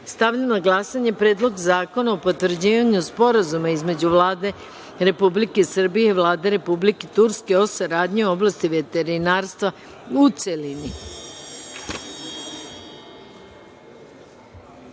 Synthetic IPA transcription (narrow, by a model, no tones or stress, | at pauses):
st̪aʋʎanaɡlasaɲe̞pɾe̞ːd̪lˠo̞ɡzaːko̞naopo̞t̪ʋr̩d͡ʑiʋaɲuspo̞ɾazumaizme̞d͡ʑuʋlaːd̪e | ɾe̞publike̞sr̩bijeiʋlˠaːd̪e̞ɾe̞publiket̪uɾske̞o̞saɾaːd̪ɲio̞blˠast̪iʋe̞t̪e̞ɾinaːɾst̪ʋa | ut̪selini